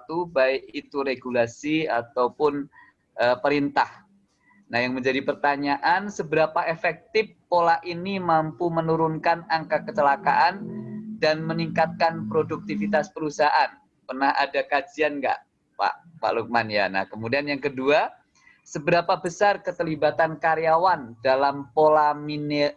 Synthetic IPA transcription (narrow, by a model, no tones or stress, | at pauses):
t̪ubaɪkit̪uɾeɡulasiat̪awpʊn | ʔəpəɾint̪ah | nahjaŋməɲd͡ʒadipərt̪aɲaʔansəbəɾapaefɛk̚t̪ɪfːolaʔʔinimampumənuɾʊnkanaŋkakət͡ʃəlakaʔandanməniŋkat̪̚kanpɾoduk̚t̪ifit̪aspəɾusaʔan | pərnaha̰dakad͡ʒianɡa̰ʔ | pa̰ʔpa̰ʔluk̚manja̰na̰hkəmudianjaŋkədua | səbəɾapabəsarkət̪əlibat̪ankaɾjawandalampolamin